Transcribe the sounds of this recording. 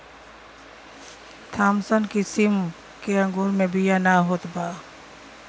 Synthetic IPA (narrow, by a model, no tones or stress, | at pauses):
t̪ʰaːmsənkisim | keɐ̃ŋɡoːɾmẽbijanaɦoːt̪baː